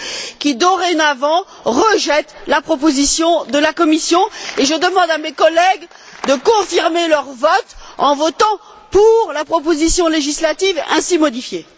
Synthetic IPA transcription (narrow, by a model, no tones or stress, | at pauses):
kʲid̪ɔʁenavɑ̃ | ʁəʒɛt̪lapχɔp̬ozisjɔ̃d̪əlakɔmisjɔ̃eʒəd̪əmɑ̃d̪amekɔlɛɡ | d̪əkɔ̃fiʁmelœʁvɔt̪ɑ̰̃vɔt̪ɑ̃ | puʁlapχɔp̬ozisjɔ̃leʒislat̪ivɛ̰̃simɔd̪ifje